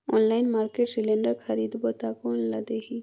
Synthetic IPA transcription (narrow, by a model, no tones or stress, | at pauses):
onlaɪnmaːɾkeʈsilẽɳɖəɾkʰəɾid̪bot̪akonlad̪eɦi